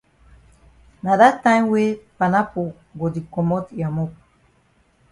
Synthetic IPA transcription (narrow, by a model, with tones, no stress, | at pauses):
na˨da˦tã˦jwe˦pa˨na˦po˨ | ɡo˨di˨kɔ˨mɔ˦tja˨mɔ˦k̚